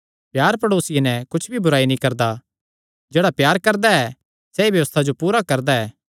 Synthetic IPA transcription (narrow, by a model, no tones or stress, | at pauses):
pjaːɾpɐɽoːsɪjenɛkʊt͡ʃʰbʱibʊɾaːinĩkɐɾd̪a | d͡ʒeːɽapjaːɾkɐɾd̪aɛ | sɛibjɐʋəst̪ʰad͡ʒopuːɾakɐɾd̪aɛː